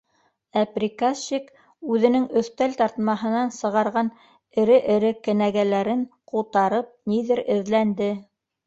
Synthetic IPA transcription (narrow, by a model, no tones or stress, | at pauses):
æprʲikaɕik | ʉðɘ̆nɘŋɵ̆θt̪ælt̪ɑɾt̪mɑɦɤ̆nɑnsɤ̆ʁɑɾʁɑn | ɘ̆ɾɘʔɘ̆ɾɘkɘ̆næɡælæɾɘɴqulˠt̪ɑɾɤp̚niðɘɾɘ̆ðlænd̪ɘ